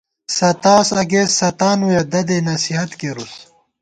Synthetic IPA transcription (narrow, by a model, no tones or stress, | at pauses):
sɐt̪aːsɐɡezsɐt̪aːnujɐd̪ɐd̪enɐsiɦɐt̪keɾus